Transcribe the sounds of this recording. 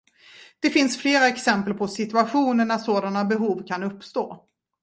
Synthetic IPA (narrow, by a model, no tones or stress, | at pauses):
d̪̥ɛfɪnsfleːɾaɛksɛmpəlpʰɔsɪt̪ɵaɧuːnəɳæʂoːd̪anabɛɦuːvkʰanɵpːst̪oː